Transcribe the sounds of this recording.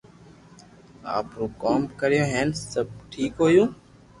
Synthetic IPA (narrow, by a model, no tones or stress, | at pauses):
a̰ːpɾũːkoːmkəɾɪjõːɦɛːnsəb̚ʈʰiːkɦoːjũː